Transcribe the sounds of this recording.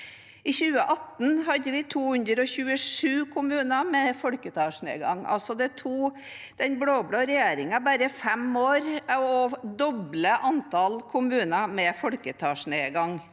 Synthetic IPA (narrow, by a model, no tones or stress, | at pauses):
ɪçʉːəʔɑt̪n̩hɑd̪əʋɪt̪ʰuːhʉnd̪ɾəɔçʉːəʂʉːkʰʊmʉːnɑmɛfɔlkət̪ʰɑːʂnḛːɡɑ̰ŋɑ̰lsɔd̪ɛt̪ʰuː | d̪̥ɛnbɽoːbɽoːɾɛjeːɾɪŋɑbæɾəfɛmoːɾɔd̪ɔbləʔɑnt̪ʰɑlkʰʊmʉːnɑmɛfɔlkət̪ʰɑːʂneːɡɑŋ